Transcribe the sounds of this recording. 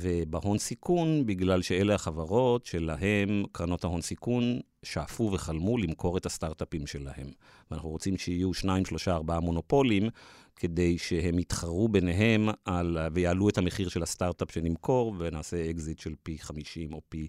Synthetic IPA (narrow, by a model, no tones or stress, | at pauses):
vebaho̞nsikʰunbiɡlalʃe̞elehaχavaʁo̞tʃe̞laɦe̞mkʁano̞thaɦo̞nsikun | ʃaːfuveχalmulimkʰo̞ʁethastaʁtapimʃe̞lahe̞̰m | vana̰χuʁot͡simʃeijuʃnaimʃlo̞ʃaːʁbaamo̞no̞po̞limkʰe̞de̞jʃe̞he̞mitχaʁube̞neɦe̞malvejaːlue̞thameχiʁʃelastaʁtapʃenimkʰo̞ʁvenaːse̞eɡzitʃelpiχamiʃimo̞pi